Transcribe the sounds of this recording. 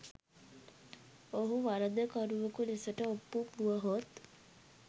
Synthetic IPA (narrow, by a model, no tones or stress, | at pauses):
oɦuʋaɾəd̪əkɔɾuʋəkulesəʈəopːupuʋəɦot̪